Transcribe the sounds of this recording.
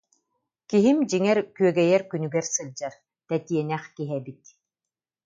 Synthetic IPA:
kiɦimd͡ʑiŋɛɾkyœɡɛjɛɾkynyɡɛɾsɯld͡ʑaɾ | t̪ɛt̪iɛnɛχkiɦɛbit̪

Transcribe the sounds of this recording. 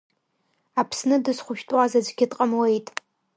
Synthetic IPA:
apʰsnɨdɨsχʷʊʃᶣtʼwazazʷɡʲɪtʼqʼɐmwejtʼ

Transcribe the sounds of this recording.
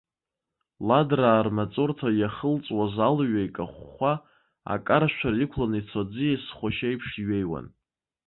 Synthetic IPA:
ladraːrmat͡sʼortʰajaχəlt͡sʼwazalɥajkʼaχʷːa | a̰kʼaɾaʃᶣʷʰarikʷʰlanit͡sʰod͡zɨjesχʷaʃajpʰʂɥejwa̰n

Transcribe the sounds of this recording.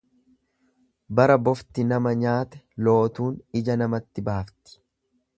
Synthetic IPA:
bɐɾɐbɔft̪ɪnɐmɐɲaːt̪ɛ̥ | lo̞ːt̪uːnɪd͡ʒɐnɐmɐt̪ːɪbaːft̪ɪ̥

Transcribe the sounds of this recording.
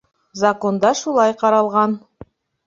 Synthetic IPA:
zɐko̞nd̪ɑʃulˠɑjqɑɾɑlˠʁɑn

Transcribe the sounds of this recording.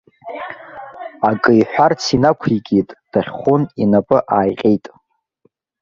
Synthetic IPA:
akʼɨjħʷᶣart͡sʰinakʷʰikʲʼitʼd̥aχʲχʷʊninapʼɨʔaːjqʲʼejtʼ

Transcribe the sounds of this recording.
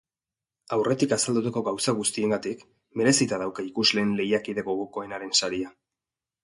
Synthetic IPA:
awre̞t̪ikasald̪ut̪ako̞ɣawsaɣ̞ust̪ie̞ŋɡat̪ik | me̞ɾe̞sit̪að̞awkaikuzle̞ːnle̞jakiðe̞ɣo̞ɣo̞ko̞e̞naɾe̞nsaɾia

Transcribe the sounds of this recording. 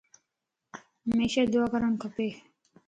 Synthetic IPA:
ɦmeːʃaːd̪ʊaːkəɾəɳkʰəpeː

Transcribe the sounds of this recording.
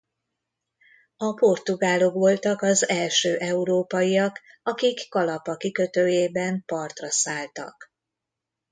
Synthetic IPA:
ɒpo̞rt̪uɡaːlo̞kʋo̞lt̪ɒkɒzɛlʃøːʔɛuɾoːpɒjiɒkɒkikːɒlɒpɒkikø̞t̪øːjeːbɛmpɒrt̪rɒsaːlt̪ɒ̰k

